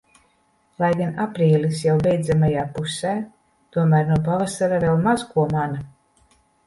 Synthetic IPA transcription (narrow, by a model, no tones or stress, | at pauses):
lˠajɡanapɾiːlʲisjawvʲɛjd̪zamajaːpusɛː | t̪uɔmæːɾnuɔp̬avasaɾavɛlˠmazkuɔmana